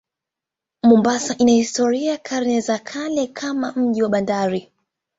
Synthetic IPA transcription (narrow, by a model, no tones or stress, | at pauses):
mumbasaʔinahistɔɾiaaakʰaɾnɛzakʰalɛkʰamam̩ʄiwaɓandaɾi